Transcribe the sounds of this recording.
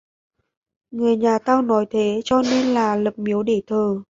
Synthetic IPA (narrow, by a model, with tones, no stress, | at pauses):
ŋɨ˨˩əjɲaː˨˩t̪aː˧wnɔ˨˦jt̪ʰe˨˦t͡ɕɔ˧ne˧nlaː˨˩lə˨˩p̚mi˨˦əwɗe˧˩t̪ʰəː˨˩